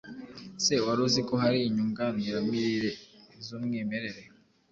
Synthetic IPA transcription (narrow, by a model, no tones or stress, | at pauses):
sewaɾozikoɦaɾiɲuŋɡaniɾamiɾiɾezomŋeːmeɾeɾe